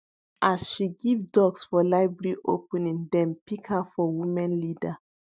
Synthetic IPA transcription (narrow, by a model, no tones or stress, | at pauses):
ʔasʃiɡivdɔɡsfɔlaɪbɛɹiʔo̰pɛ̃nĩŋdɛ̃mpikhafɔwimãnlida